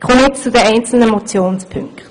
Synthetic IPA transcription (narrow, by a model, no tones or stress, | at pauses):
kʰχomnɪtt͡sudɛʔɛɪnt͡sl̩nəmɔt͡sjoːnspʰʏŋkt